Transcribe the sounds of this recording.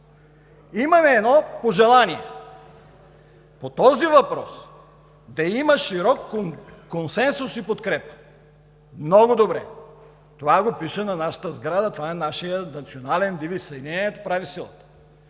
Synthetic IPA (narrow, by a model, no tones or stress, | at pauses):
imɐmɛːd̪nɔpoʒɛlˠaniɛ̰ | pot̪ɔzivɐpɾɔs | d̪ɐimɐʃiɾɔkːokonsɛnsʊsipot̪kɾɛpə̥ | mnɔɡod̪obɾɛ̰ | t̪ovaɡopiʃənɐnaʃə̥t̪əzɡɾad̪ɐt̪ovaɛnaʃijənɐt̪sionalɛnd̪ivisɐnʲɛɛɛt̪opɾavisilˠə̰t̪ə̥